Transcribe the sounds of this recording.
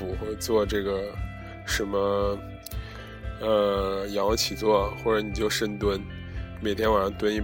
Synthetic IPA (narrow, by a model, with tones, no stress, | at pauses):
u˨˩xwe˥˧ɪt͡swɔ˥˧ʈ͡ʂɤ˥˩ɡə˩ | ʂə˧˥nmə˧ | ə˧jɑ˧˥ŋ˧t͡ɕʰi˨˩t͡swɔ˥˩xwɔ˥˩ʈ͡ʂə˧˥ni˨˩t͡ɕjo˥˧ʊʂə˥nt̪wə˥n | me˨˩t̪ʰjɛ˥nwa˨˩ɻə˥t̪wə˥ni˥˩